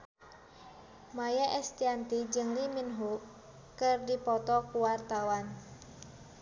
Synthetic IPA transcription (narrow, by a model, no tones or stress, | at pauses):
majaʔɛst̪iant̪id͡ʒɨŋliminɦu | kɨrdipɔt̪ɔkuwart̪awan